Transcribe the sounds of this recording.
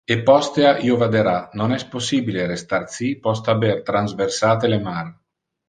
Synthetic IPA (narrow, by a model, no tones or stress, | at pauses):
epːɔst̪eaʔiovad̪eɾanonɛsposːiːbileɾest̪art̪sipɔst̪abert̪ɾanzversaːt̪elemar